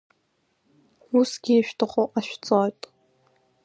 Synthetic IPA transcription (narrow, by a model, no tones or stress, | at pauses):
usɡʲiːʃᶣtʰɨχʼoʔaʃᶣt͡sʼojtʼ